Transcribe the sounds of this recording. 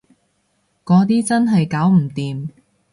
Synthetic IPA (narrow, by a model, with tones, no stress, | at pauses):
kɔː˨˥t̪iː˥t͡sɐ˥nɦɐ˨jkaː˨˥wm̩˨˩t̪iː˨m